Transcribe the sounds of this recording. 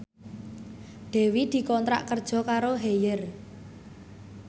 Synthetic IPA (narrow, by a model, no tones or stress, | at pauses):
ɖ̪̥e̤wid̪̥i̤kɔnt̪ɾa̰ʔkərd̥ʒ̥ɔ̤kaɾoɦejər